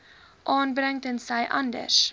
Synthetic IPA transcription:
ʔɑːnbɾɛŋtənsɛjʔɐ̰ndə̰ʃ

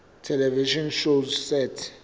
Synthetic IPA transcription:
tʰɛlɛviʃɔnʃozsɛtʰ

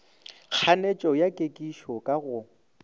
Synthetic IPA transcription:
k͡xʰanet͡ʃʼɔjakʼekʼiʃɔkʼaɣʊ

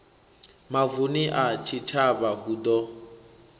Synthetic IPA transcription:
mavuniʔat͡ʃʰit͡ʃʰaβahud̪ɔ

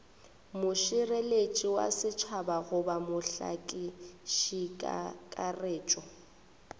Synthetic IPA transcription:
mʊʃɪrelet͡ʃʼiwa̰sɪt͡ʃʰabaɣʊbamʊɬa̰kʼɪʃikʼa̰kʼareːt͡ʃʼɔ

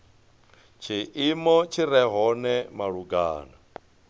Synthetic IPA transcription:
t͡ʃʰiʔimɔt͡ʃʰiɾɛɦɔnɛmaɺuɡa̰ːna

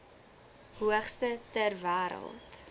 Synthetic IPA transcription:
huəχstətərvæːɾə̰lˠt

